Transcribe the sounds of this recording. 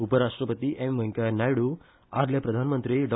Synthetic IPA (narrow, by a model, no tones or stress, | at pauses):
upəɾaʂʈɾəpət̪iʔemʋɐŋkajnajɽu | a̰ɾljapɾɐd̪ʱanmənt̪ɾiɖɔ